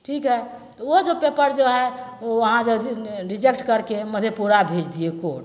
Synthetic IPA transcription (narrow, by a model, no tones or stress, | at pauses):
ʈʰikɦɛt̪ɔod͡ʒopepəɾd͡ʒoɦɛoʋəɦãd͡ʒəbɾid͡ʒekʈkəɾkeməd̪ʱepuɾabʱed͡ʒd̪iekoɽ